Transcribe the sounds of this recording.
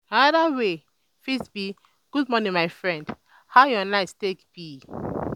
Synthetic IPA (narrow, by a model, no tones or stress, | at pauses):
anaðawe | fisbi | ɡ̥udmɔnĩnmaɪfɹɛ̃nd | haʊjɔnaɪstekbi